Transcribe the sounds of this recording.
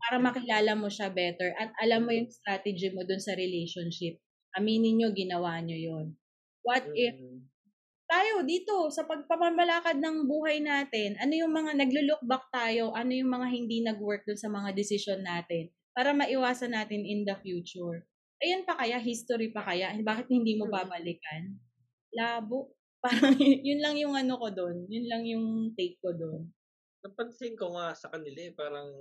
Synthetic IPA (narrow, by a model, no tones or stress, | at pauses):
paːɾɐmɐkɪlaːlɐmoʃabɛt̪ɛɹʔɐt̪̚ɐlamːojʊŋst̪ɾaːt̪ɛd͡ʒɪmod̪ʊnsɐɾɛlejʃonʃɪp̚ | hɐmiːnɪɲɲo̞ɡɪnɐwaːɲojon | wɐt̪̚ɛf | t̪aːjod̪iːt̪o̞sɐpɐɡ̚pɐmɐmɐlaːkɐd̪̚nɐŋbuːɦɐjnaːt̪ɪnʔɐnojʊŋmɐŋanɐɡ̚lʊlʊk̚bɐk̚t̪aːjo̞ʔɐno̞jʊŋmɐŋaɦɪnd̪inɐɡwɛɹk̚d̪ʊnsɐmɐŋad̪ɪsɪʃonːaːt̪ɪn | paːɾɐmɐʔɪwaːsɐnːaːt̪ɪnɪnd̪ɐfjuːt͡ʃʊɹ | ʔɐjonpɐkɐjaɦist̪oɾipɐkɐjabaːkɪt̪̚hɪnd̪iːmobaːbɐlɪkɐn | laːboʔ | paːɾɐŋjjʊnlɐŋjʊŋʔɐnokod̪onjʊnlɐŋjʊŋt̪ɛjk̚kːod̪on | nɐpɐnsɪŋkoŋasɐkɐnɪlaɛpaːɾɐŋ